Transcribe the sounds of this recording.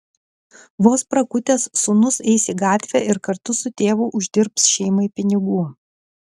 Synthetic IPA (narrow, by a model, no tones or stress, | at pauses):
ʋoːspɾɐkʊt̪ʲeːsːʊnʊsɛɪsʲiːɡɑːt̪ʲʋʲæʔɪɾkɐɾt̪ʊsʊt̪ʲeːʋʊːʔʊʒʲd̪ʲɪɾpsʃʲɛɪmɐɪpʲɪnʲɪɡuː